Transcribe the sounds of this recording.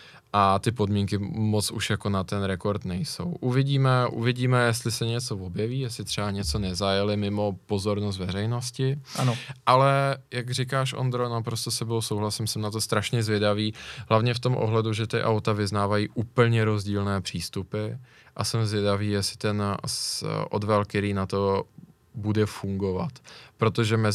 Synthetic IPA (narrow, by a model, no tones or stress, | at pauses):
ʔat̪ɪpo̞dmiːŋkɪmot͡sṵʃjako̞nat̪ɛnɾɛko̞ɾt̪nɛjso̞̰wʔuvɪɟiːmɛʔṵvɪɟiːmɛjɛst̪lɪsɛɲɛt͡so̞vo̞bjɛviːjɛst̪ɪt̪r̝̥ɛaɲɛt͡so̞nɛzajɛlɪmɪmo̞po̞zo̞ɾnost̪vɛrɛjno̞scɪanoʔalɛjaɡrɪkaːʃʔo̰nd̪ɾonapɾost̪osɛbosowɦlasɪmsɛmnat̪ost̪ɾaʃɲɛzvjɛdaviːɦlavɲɛft̪omʔo̰ɦlɛduʒɛt̪ɪʔawt̪avɪznaːvajiːʔuːpl̩ɲɛɾo̞zɟiːlnɛːpr̝̥iːst̪upɪ | ʔasɛmzvjɛdaviːjɛsɪ̥t̪ɛn | ʔo̞̰dvɛlktɛɾiːnat̪o̞ | budɛfuŋɡo̞va̰t̪pɾo̞t̪o̞ʒɛmɛ